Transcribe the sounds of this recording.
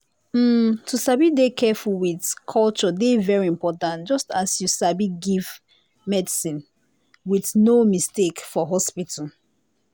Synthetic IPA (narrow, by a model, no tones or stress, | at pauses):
m̩tusabidekʰɛfulwiθkʰɔlt͡ʃɔdevɛɹiĩmpɔtãntd͡ʒɔstasjusabiɡiv | mɛdisĩn | wiθnomistekfɔɦɔspitʰə